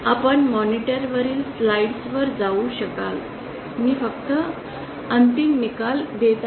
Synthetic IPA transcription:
apəɳmɔniʈəɾʋəɾiːlslaiɖsʋəɾd͡zauɕəkal | miːfəkt̪ə | ənt̪imnikald̪et̪

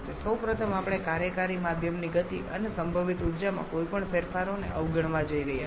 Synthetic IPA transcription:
t̪esəwpɾət̪ʰəmapɳ̃ekaɾjəkaɾimad̪ʱjəmniɡət̪iə̰nesəmbʱəʋit̪ud̪d͡ʒamã̰kojpəɳfʰeɾfaɾonḛʔəʋɡʱəɳʋad͡ʒəiɾəɦija

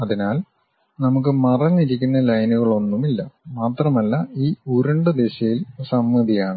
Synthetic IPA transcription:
ɐðinaːl | nɐmuk̬ːɨmɐrɐniɾikʲːunːɐlɐjnuɣɐɭo̞nːumilːɐmaːt̪rɐmɐlːɐiːuɾɐɳɖɨd̪eɕɐjilsɐmːɐðijaːɳɨ

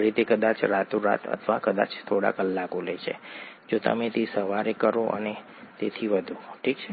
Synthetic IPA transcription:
ɾit̪ekəd̪at͡ʃɾat̪oɾa̰t̪ʰə̰t̪ʰʋakəd̪a̰t͡ʃt̪ʰoɽa̰kəlːakolət͡ʃʰḛ | d͡ʒot̪ə̰met̪ʰisəʋaɾekəɾoʔə̰ne | t̪et̪ʰiʋəd̪ʱuʈʰikt͡ʃʰɛ

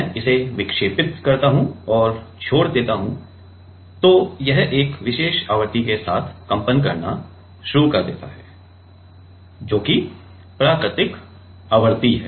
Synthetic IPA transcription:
ɛ̃ɪseʋɪkʃeːpɪt̪kɐɾt̪aɦũɔːɾt͡ʃʰoːɽd̪eːt̪aɦũ | t̪oːjɛɦeːkʋɪʃeːʃaːʋəɾt̪ikesaːt̪ʰkɐ̃mpənkɐɾna̰ | ʃʊɾukɐɾd̪ḛːt̪a̰ɦɛː | d͡ʒoːki | pɾaːkɾɪt̪ɪk | aːʋəɾt̪iɦɛ̰ː

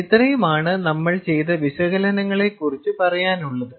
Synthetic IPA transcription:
it̪rɐjumaːɳɨnɐmːɐɭt͡ɕe̞jt̪ɐʋiɕwɐɣɐlɐnɐŋːɐɭekːurit͡ɕːupɐrɐjaːnuɭːɐðɨ

